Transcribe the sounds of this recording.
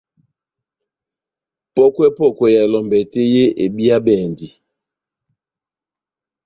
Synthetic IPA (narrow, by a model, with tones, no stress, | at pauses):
pɔ˦kwɛ˦pɔ˦˨kwɛ˨ja˨e˨lɔ˨mbɛ˨te˦je˦ʔe˨bi˦a˦bɛː˨ndi˨